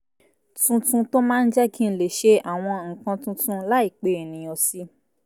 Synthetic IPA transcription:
tũ˧tũ˧to˦mã˦˧n̩˦d͡ʒɛ˦kĩ˦n̩˨le˨ʃe˧a˦˨w̃ɔ̃˧ŋ̩˨kã˧tũ˧tũ˧˦la˦i˦˨k͡pe˨e˨nĩ˨j̃ɔ̃˨si˦

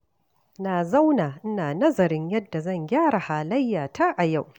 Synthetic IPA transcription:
naː˨za˦wnaː˨ʔ̩˦naː˨nɐ˦zɐ˨ɾɪ˦ɲjɐ˦dːa˨zɐ˦˨ŋɡʲaː˦ɽa˨haː˨lɐ˦jːaː˨taː˦ʔa˨ja˦˨w

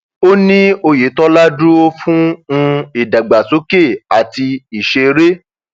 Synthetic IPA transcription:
o˦nĩ˦o˧je˨˦tɔ˦la˦du˦o˦fũ˦ũ˧i˦˨da˨ɡ͡ba˨so˨˦ke˦˨a˨ti˧i˨ʃe˧ɾe˦

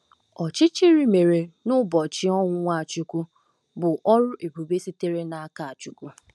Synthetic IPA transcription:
ɔ˨t͡ʃɪ˦t͡ʃi˦ɾi˦me˨ɾe˨nʊ˦bɔ˨t͡ʃɪ˦ɔ˦ŋʷ˦ŋʷa˦˨t͡ʃʊ˦ku˦ | bʊ˨ʔɔ˦ɾʊ˦ʔe˨bu˨be˦si˦te˦ɾe˦na˨a˦ka˦˨a˨t͡ʃu˨ku˦

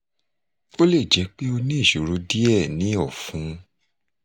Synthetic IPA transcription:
o˦le˦˨d͡ʒɛ˨˦k͡pe˦o˧nĩ˦e˦˨ʃu˨ɾu˨˦di˦ɛ˦˨nĩ˨˦ɔ˦˨fũ˨˦

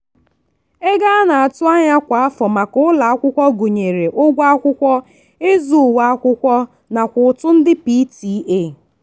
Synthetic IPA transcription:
e˦ɡa˦a˦na˨a˨tʊ˦a˦ɲa˦kʷa˨a˦fɔ˨ma˨kʊ˦ʊ˦la˨a˦kʷʊ˦kʷɔ˦ɡu˨ɲe˨ɾe˨ʔʊ˦ɡʷa˦a˦kʷʊ˦kʷɔ˦ | e˦zu˨wa˦a˦kʷʊ˦kʷɔ˦ | na˨kʷʊ˨ʊ˨tʊ˦n̩˦dɪ˦pi˦ti˨˦ʔe˦˨

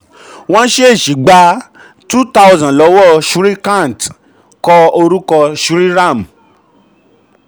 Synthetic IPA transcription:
w̃ɔ̃˦ʃe˦e˦˨ʃi˨˦ɡ͡ba˧ | tu˦ta˧ʊ˧zɔ̃˨lɔ˨˦wɔ˦ʃu˦ɾi˦kã˦˨n˨t | kɔ˧o˧ɾu˦kɔ˧ʃu˦ɾi˦ɾã˦˨m˨

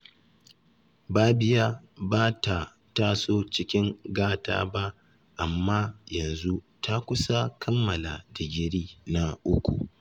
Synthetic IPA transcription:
baː˦bɪ˨ja˦ | baː˦ta˨ | ta˦soː˦t͡ʃɪ˦kʲɪ˦ŋɡaː˦ta̰ː˦ba˦ʔ | ʔa˨mːa˦jɐ˨nzu˦ | tʰa˦kʷʊ˦sa˦kʰɐ˦mːɐ˨la̰˨dɪ˨ɡʲɪ˨ɽiː˦na˦ʔʊ˦kʷṵ˨

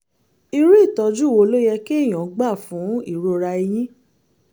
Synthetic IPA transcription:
i˧ɾu˦i˦˨tɔ˧d͡ʒu˦wo˧lo˦jɛ˧ke˦˨j̃ɔ̃˨˦ɡ͡ba˦˨fũ˨˦i˦˨ɾo˧ɾa˧i˧j̃ĩ˦

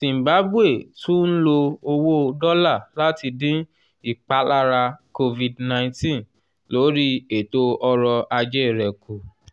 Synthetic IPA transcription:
sĩ˨ba˨˦bu˦e˦˨tũ˦n̩˦lo˧o˧wo˦˧dɔ˦la˦˨la˦ti˧dĩ˦ | i˦˨k͡pa˨˦la˦ɾa˧ko˧vi˨dnã˧j̃tĩ˦˨ | lo˨˦ɾi˦e˨to˧ɔ˧ɾɔ˧a˧d͡ʒɛ˦i˨ɾɛ˨kʰo˨

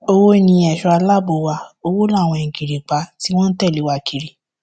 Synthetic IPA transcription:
o˧wo˦nĩ˧˦ɛ˨ʃɔ˧a˧la˦˨bo˨˧˨wa˧o˧wo˦la˦˨w̃ɔ̃˧ĩ˨ɡi˨ɾi˨k͡pa˧˦ti˦w̃ɔ̃˦n̩˦tɛ˦˨li˨˦wa˧kʰi˨ɾi˨

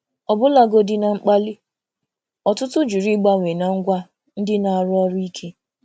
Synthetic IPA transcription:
ɔ˨bʊ˦la˦ɡo˦dɪ˦na˨ŋ͡m̩˦k͡pa˦lɪ˦ | ɔ˨tʊ˦tʊ˦d͡ʒu˨ɾi˦ɡ͡ba˦ŋʷe˨na˨ŋ̩˦ɡʷa˦ | n̩˦dɪ˦na˨a˨ɾɔ˦ɾi˦kʰe˦

